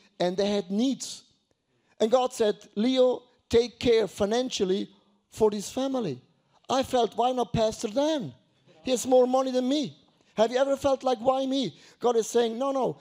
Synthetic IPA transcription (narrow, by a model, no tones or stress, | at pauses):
ɨ̃nðeɪɨdⁿnidz̥ | ʔɨ̃nɡɑd̥sɛd̚lio | tʰeɪkʰːɛɹfaɪnæ̃nʃl̩ˠi | fə˞ɪz̥fæmlˠḭ | ʔaɪfɛlˠt̚waɪ̃mnət̚pʰæstə˞dæ̃n | hiɨzmɔɹmʌniðɨ̃nmi | hɨvjɨɛvə˞fɛlˠtˡlaɪkwaɪmi | ɡ̥ɑɾɨz̥seɪɪ̃ŋnoʊnoʊ